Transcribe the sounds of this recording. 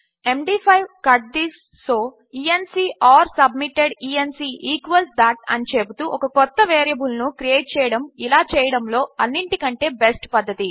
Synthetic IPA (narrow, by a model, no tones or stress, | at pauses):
emɖiːpʰɐjʋkɐʈ̚d̪isːoː | iːensiːʔaːɾsɐbmiʈeɖiːensiːʔiːkʋɐlsd̪aʈ̚ɐ̰nit͡ʃebut̪uːʔɔkɐkɔt̪ːɐʋeːɾjɐbulnukɾijeːʈ̚t͡ʃɛːjɐɽɐmilaːt͡ʃɛːjɐɽɐmlo̞ːɐnːiɳʈikɐɳʈe̞ːbesʈpɐd̪ʱːɐt̪i